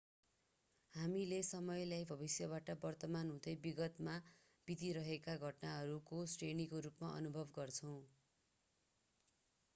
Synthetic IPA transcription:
hamilesʌmʌjlajbʱʌbisjʌβaʈʌbʌrt̪ʌmanɦũd̪ʌjbiɡʌt̪ma | b̥id̪iɾʌɦekaɡʱʌʈnaɦʌɾukosʈrenikoɾupmaʔʌ̰nubʱʌbɡʌrt͡sʰʌw̃

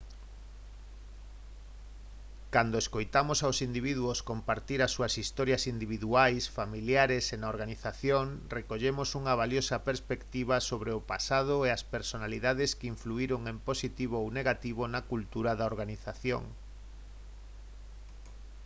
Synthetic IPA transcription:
kand̪oeskojt̪amosawsind̪iβ̞iðuoskompaɾt̪iɾɐsːuɐsist̪ɔɾjɐsind̪iβ̞iðuajsfamiljaɾesenaoɾɣaniθaθjoŋrekoʎemosuŋɐβ̞aljosɐpeɾspekt̪iβ̞ɐsoβɾeʊpasað̞ʊeɐspeɾsonaliðaðɪskiɱfluiɾoŋemposit̪iβoowneɣat̪iβonakult̪uɾaðaoɾɣaniθaθjo̰ŋ

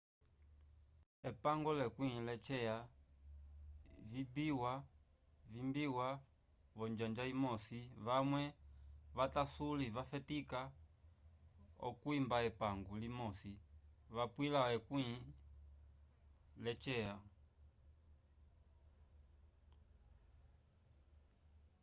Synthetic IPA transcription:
ɛpaŋɡɔlɛkwĩlɛt͡ʃɛa | vibiwa | vimbiwa | vɔɲd͡ʒand͡ʒaimɔsiβamwɛβatasulivafɛtika | ɔ̰kuimbaɛpaŋɡulimɔsiβapwilawɛkwi | lɛt͡ʃɛa

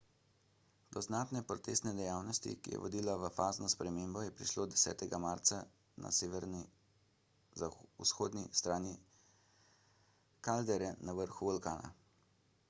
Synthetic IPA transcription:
d̪ɔznaːt̪nɛpɾɔt̪ḛst̪nɛd̪ɛjaːwnɔst̪ḭkḭjɛ̰ʋɔd̪iːlaʋəfaːznɔspɾɛmeːmbɔjɛpɾiʃloːd̪ɛsɛ̰ːt̪ɛɡamaːɾt̪sa | na̰seʋɛɾni | usxoːd̪nist̪ɾaːni | kald̪ɛɾjɛnaʋəɾxuʋɔlkaːna̰

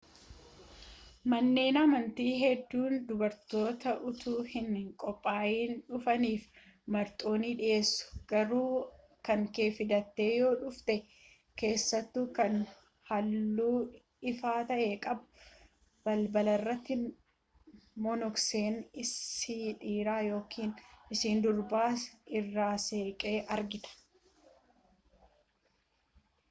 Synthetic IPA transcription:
mɐnːe̞ːnɐmɐnt̪iːɦɛd̪ːuːnd̪ʊbɐɾt̪o̞ːt̪ɐʔʊt̪uːhɪnkʼɔpʼːaːjiːnᶑʊfɐniːf | mɐɾt̪ʼo̞ːniᶑɪʔe̞ːsːʊ̥ɡ̥ɐɾuː | kɐŋke̞ːfɪd̪ɐt̪ːe̞ːjo̞ːᶑʊft̪ɛ | ke̞ːsːɐt̪ːukɐn | hɐlːuː | ɪfaːt̪ɐʔe̞ːkʼɐb | bɐlbɐlɐrːɐt̪ːɪ | mɔnɔkseːnɪsiᶑiːɾaːjo̞ːkʰiːnɪsiːnd̪ʊɾbaːsɪrːaːse̞ːkʼeːʔɐɾɡɪt̪ɐ̥

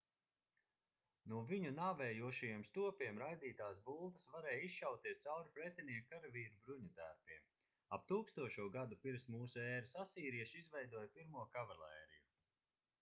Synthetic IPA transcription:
nuɔviɲunaːvɛːjuɔʃajeɛmst̪uɔpʲiɛmɾajd̪iːt̪aːsbuːlˠt̪ɐsvaɾɛːjisʃawt̪iɛst̪sawɾupɾɛt̪ʲiniɛkkaɾaviːɾubɾuɲut̪æɾpiɛm | ap̚t̪uːkst̪uɔʃuɔɡad̪upiɾmsmuːsuɛːɾasasiːɾiɛʃizvɛjd̪uɔjpiɾmuɔkavalˠɛːɾiju

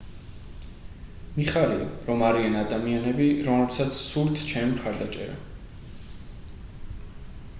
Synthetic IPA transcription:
miχaɾia̰ɾɔmaɾianad̪amianɛbiɾɔmlɛbsat̪sʰsuɾt̪ʰt͡ʃʰɛmimχaɾd̪at͡ʃʼɛ̰ɾa̰

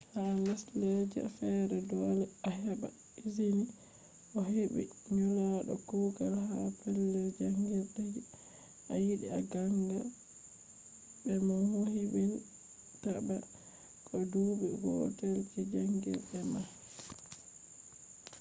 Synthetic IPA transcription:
halaslɛd͡ʒɛa̰fɛɾɛdɔːlɛahaba̰ | izini | ʔɔɦebḭɲɔlaɗɔ̰kuɡalhapʰɛlːɛd͡ʒaŋɡiɾɗɛɛ | ʔajiɗiaɡaŋɡa | bɛmanwohibɛn | taba | kʰʼɔduːbiɡɔ̰tɛlkɛd͡ʒaŋɡḭɾɗɛma

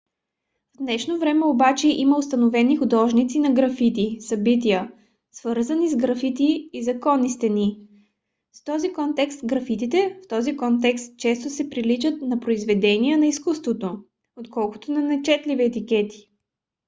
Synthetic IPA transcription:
vd̪nɛʃnovɾɛmɛobat͡ʃɛʔiməost̪ɐnovɛnixʊd̪ɔʒnit̪sinɐɡɾɐfit̪isɐbit̪ijə | svəɾzənizɡɾɐfit̪iːzɐkɔnist̪ɛni | st̪ɔzikɔnt̪ɛkst̪ɡɾɐfit̪it̪ɛft̪ɔzikɔnt̪̬ɛkst̪̚t͡ʃɛst̪ʊsɛpɾilit͡ʃət̪nɐpɾoizvɛd̪ɛniənɐiskust̪vot̪o | ot̪kɔlˠkʊ̥t̪onɐnɐt͡ʃɛt̪liviɛt̪ikɛt̪i̥

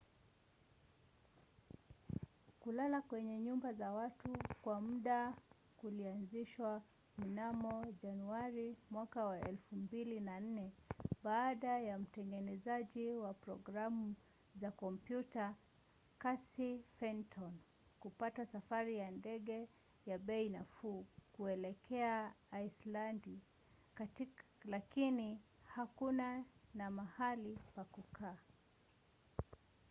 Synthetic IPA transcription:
kulalakwɛɲɛɲumbazawatukwauɗa | kulianziʃwa | m̩namɔʄanuaɾimwakawaʔɛ̰lfumbilinan̩nɛɓaːɗajam̩tɛŋɡɛnɛzaʄiwapɾɔ̰ɡɾamu | zakɔmpjuta | kasifɛntʰɔn | kupatasafaɾijandɛɠɛ | jaɓɛinafuːkuɛlɛkʰɛaaislandi | lakini | hakunanamahalipakukʰaː

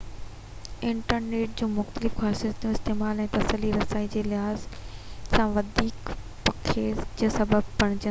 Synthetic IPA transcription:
ɪ̃ɳʈəɾneːʈ̚d͡ʑũːmʊxt̪əlɪfxaːsiət̪jũɪst̪eːmaːlɛ̃ːt̪ɐsəliɾɐsaːid͡ʑeːlɪɦaːzsãʋɐd̪ʱiːkpɐkʰed͡ʑɐsɐbəb̚pɐɽ̃ɪ̃d͡ʑə

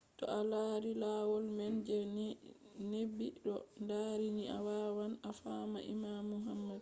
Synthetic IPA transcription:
tɔ̰ʔalaːɾilawɔlmɛnd͡ʒɛn | nebːiɗɔndaɾiɲiʔawawanafama̰ʔḭmamːuɦamːad̚

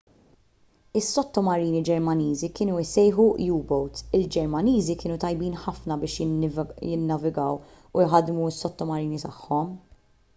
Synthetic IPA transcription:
ɪsːɔt̪ːɔmɐɾiːnid͡ʒɛɾmɐniːzikɪːnuɪsɛjħujuːbɔwt̪ɪld͡ʒɛɾmɐniːzikɪːnut̪ɐjbiːnħɐfnɐbɪːʃjjɪnːɐvɪɡɐw | ujħɐd̪muɪsːɔt̪ːɔmɐɾiːnit̪ɐħːɔm

